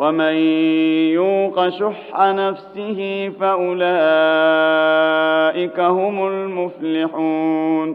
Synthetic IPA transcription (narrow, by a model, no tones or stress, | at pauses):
wamanjuːqɑʃʊħːanafsɪhɪfaʔʊlaː | ʔɪkahʊmʊlmʊflɪħuːn